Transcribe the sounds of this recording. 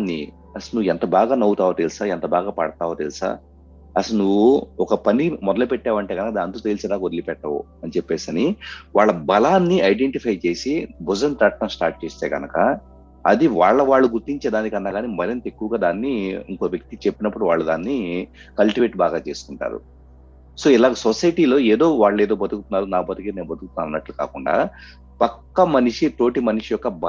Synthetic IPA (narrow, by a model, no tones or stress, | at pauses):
nːḭ | ɐsɐlnuʋɛnt̪ɐbaːɡaːnɐwut̪aːʋɐt̪ilsaːɛnt̪ɐbaːɡaːpɐɽɐt̪aːʋɐt̪ilsa̰ː | ɐsɐlnuʋuɔkɐpɐnimɔd̪ɐlɐpɛʈːaːʋɐɳʈe̞ːɡɐnɐkɐd̪aːnɐnt̪ot̪elsɛd̪aːkod̪ɐlipɛʈːɐʋṵ | ɐnit͡ʃepːe̞ːsɐniʋaːɭːɐbɐlaːnːiɐjɖeɳʈipʰɐjt͡ʃe̞ːsibʱud͡ʒɐnt̪ɾɐʈ̪̚ːɐmsʈaːɾʈ̚t͡ʃe̞ːst̪e̞̰ːɡɐnɐkɐ | ɐd̪iʋaːɭːɐʋaːɭːuɡuɾt̪iɲt͡ʃɛd̪aːnikɐnːaːɡaːnimɐɾint̪e̞kːuʋɐɡaːd̪aːnːiḭŋkoʋjɐk̚t̪it͡ʃepːinɐpːuɽuʋaːɭːɐd̪aːnːi | kɐlʈiʋe̞ːʈbaːɡaːt͡ʃe̞ːsu̥kuɳʈa̰ːɾṵ | so̞ːilaːɡɐsosɐjʈiːlo̞ːeːd̪o̞ːʋaːɭːɐe̞ːd̪o̞ːbɐd̪ukut̪unːaːɾunaːpɐt̪ikeneːnbɐd̪ukut̪uaːɐnːɐʈluka̰ːkuɳɖa̰ː | pɐkːɐmɐniʂiʈo̞ːʈimɐniʂijɔkːɐbɐ